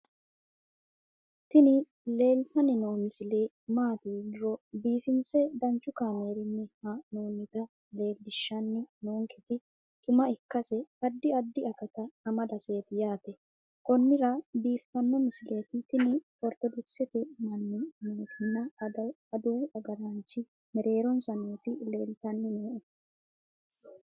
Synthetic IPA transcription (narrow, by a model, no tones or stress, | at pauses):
t̪ɪnɪ | le̞ːlt̪ɐnɪnoːmɪsɪleː | maːt̪iːɡɪɾɔbiːfɪnt͡sɛd̪ɐnt͡ʃːʊkaːme̞ːɾɪnːɪhɐnoːnɪt̪ɐ | le̞ːld̪ɪʃːɐnːɪnoːŋkʰɛt̪ɪ | t̪ʼʊmɐɪkːɐsɛɐd̪ːɪɐd̪ːɪɐkɐt̪ɐːmɐd̪ɐse̞ːt̪ɪjaːt̪ɛ | kɔnːɪɾɐbiːfːɐnːɔmɪsɪleːt̪ɪt̪ɪnɪ | ɔɾt̪ɔd̪ʊksɛt̪ɪmɐnːɪnoːt̪ʰɪnːɐɐː | d̪uːɐɡɐɾɐnt͡ʃːɪ | mɛɾe̞ːɾɔnsɐnuːt̪ɪle̞ːlt̪ɐnːɪnoːʔɛ